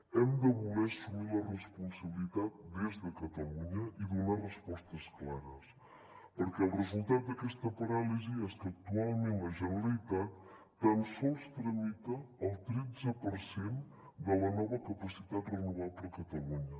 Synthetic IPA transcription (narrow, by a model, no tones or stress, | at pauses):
ɛmd̪ɐβumesumiɾɐrespunsɐβilit̪að̚d̪ezðɐkɐt̪ɐluɲɐiðunarəspɔst̪ɐsklaɾɐs | poɾkɛɐlrezulˠt̪at̪̚d̪ɐkɛst̪ɐpɐɾaliziɛst̪ɐk̚t̪ualˠmĩmɐʒɐnlit̪ɐ | t̪ɐnsowst̪ɾɐmit̪ɐːwt̪ɾizɐpoɾsen | d̪ɐlɐnɔβɐkɐpɐsit̪at̪renuβaðɾɐkɐt̪ɐluɲɐ